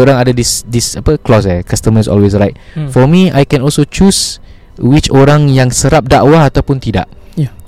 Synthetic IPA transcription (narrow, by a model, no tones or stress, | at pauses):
oɾãŋadadisdisapəklɔs̬akast̪əməsɔ̰lwesɹajt̚fɔmia̰jkɛ̃nɔlsot͡ʃus | wit͡ʃoɾãŋjaŋsəɾap̚da̰ʔwahat̪awpʊnt̪ida̰ʔ